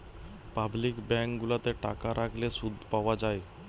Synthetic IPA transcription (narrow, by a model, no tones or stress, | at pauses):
pablikbɛŋkɡulat̪eʈa̰kaɾʔakʰlesud̪ʱpawad͡ʒaj